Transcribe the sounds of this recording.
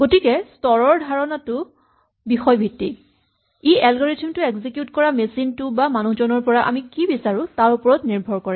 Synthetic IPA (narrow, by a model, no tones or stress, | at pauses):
ɡ̥otikɛstɔɹɔɹdʱaɹɔnatʊ | bixɔjbʱitːi | iɛlɡɔɹetʰimtʊekzikjutkɔɹamesintʊbamanuhzɔnɔɹpɔɹaʔa̰mikibisaɹʊ̃taɹupɔɹɔtniɹbʱɔɹkɔɹɛ